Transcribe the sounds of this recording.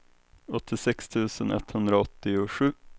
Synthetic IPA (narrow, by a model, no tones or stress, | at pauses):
ɔt̪ːɪsɛkst̪ʰʉ̟ːsənʔɛ̰t̪ːhɵnd̪ɾaɔt̪ːɪʊɧʉ̟ː